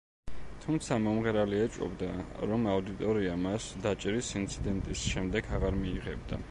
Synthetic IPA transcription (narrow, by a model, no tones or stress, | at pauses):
t̪ʰumt̪sʰamɔmʁɛɾaliɛt͡ʃʼɔ̰bd̪aɾɔmaud̪it̪ʼɔɾiamasd̪at͡ʃʼɛɾisint̪sʰid̪ɛnt̪ʼisʃɛmd̪ɛɡʰaʁaɾmiːʁɛbd̪a̰